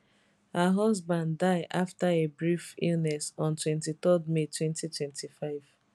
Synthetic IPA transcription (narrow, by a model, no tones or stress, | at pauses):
haɦɔzbãndːaɪʔaftaebɹifḭlnɛsɔ̃ntwɛ̃ntitɔdmetʰwɛ̃ntitʰwɛ̃ntʰifaɪv̥